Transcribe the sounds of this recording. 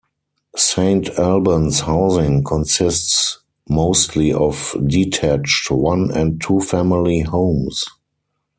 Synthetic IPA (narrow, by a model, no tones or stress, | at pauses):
sẽɪ̃ntʰælbə̃nshaʊzɪ̃ŋkʰɔ̃nsɪsts | moʊstʰliɔfditʰæt͡ʃtwãnɛ̃ntʰːuːfæmɪlihõʊ̃ms